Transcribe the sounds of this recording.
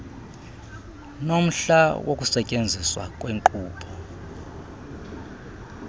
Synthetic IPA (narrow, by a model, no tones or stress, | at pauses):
nom̩ɬawʔokʼusɛcʼend͡zʱiswa̰kʼweːŋǃuːpʰɔ